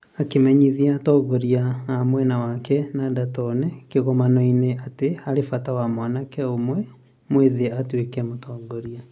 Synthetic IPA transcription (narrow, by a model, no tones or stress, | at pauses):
akemɛɲiðiatɔɡɔɾiaamwɛnawakɛnadatɔnɛkeɣɔmanɔineateaɾefatawamwanakɛomwɛ | mweðeatwekɛmotɔːɡɔɾia